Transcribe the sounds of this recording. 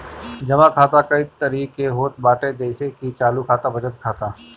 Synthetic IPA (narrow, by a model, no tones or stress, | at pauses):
d͡ʒɐmãkʰaːt̪akɐit̪əɾiːkeɦoːt̪baːʈed̪eːɪsekit͡ʃaːlukʰaːt̪abɐd͡ʒət̪kʰaːt̪aː